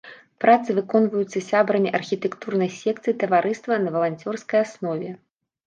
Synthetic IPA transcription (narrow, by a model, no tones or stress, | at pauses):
pɾat̪sɨvɨkɔnvɐjut̪sːɐsʲabɾɐnʲɛʔɐrxʲit̪ɛkt̪urnɐjsʲɛkt̪sɨjit̪ɐvaɾʔɨst̪vɐnɐvɐlˠanʲt͡sʲɔrskɐjasnɔvʲɛ